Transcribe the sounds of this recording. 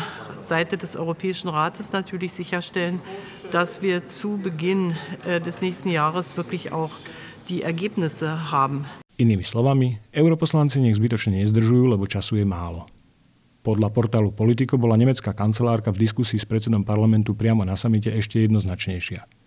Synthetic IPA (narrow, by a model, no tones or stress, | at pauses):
z̥aɪtədɛsʔɔ̰ʏʁopʰɛːɪʃn̩ʁaːtəsnatʰyːɐlɪçz̥ɪçɐʃtɛlən | d̥asv̥iːɐt͡suːbəɡɪndɛsnɛːçstn̩jaːʁəsv̥ɪɐklɪça̰ʊx | d̥iːʔɛɐɡeːpnɪsəɦaːbm̩iniːmislɔʋamiɛʊɾɔpɔslant͡siɲɛɣzbit̪ɔt͡ʃɲɛɲɛzd̪r̩ʒujuːlɛbɔt͡ʃasujɛmaːlɔ | pɔd̪ʎapɔɾt̪aːlupɔlit̪̬ikɔbɔlaɲɛmɛt͡skaːkant͡sɛlaːɾkavd̪iskusiːspɾɛtt͡sɛd̪ɔmpaɾlamɛnt̪upɾɪamɔnasamic̬ɛɛʃcɛjɛd̪nɔznat͡ʃɲɛjʃɪa